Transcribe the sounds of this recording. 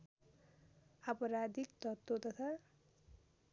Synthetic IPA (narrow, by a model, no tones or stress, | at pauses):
apʌɾad̪ikt̪ʌt̪ːot̪ʌt̪ʰa